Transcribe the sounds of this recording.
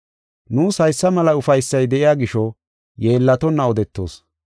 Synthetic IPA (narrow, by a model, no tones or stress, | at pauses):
nuːshɐjsːɐmɐlɐʊfɐjsːɐjd̪ɛʔɪjaːɡɪʃɔ | je̞ːlːɐt̪ɔnːɐɔd̪ɛt̪ːo̰ːs